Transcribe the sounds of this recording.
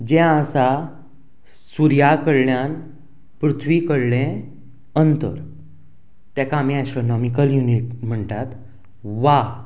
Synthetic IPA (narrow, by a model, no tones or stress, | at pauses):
d͡ʑɛ̃əsa | suɾjakəɾɭjan | pɾut̪ʰʋikəɾlẽ | ənt̪ə̰ɾ | t̪ɛkãːmĩasʈɾɔnɔmikəljuniʈm̤əɳt̪at̪ | ʋa